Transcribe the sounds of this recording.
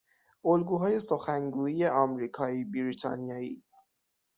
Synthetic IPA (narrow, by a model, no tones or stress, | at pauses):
olɡuːɦɒːje̞soxæŋɡuːije̞ɒmɾiːkʰɒːiːbiɾiːt̪ʰɒ̰nijɒːḭː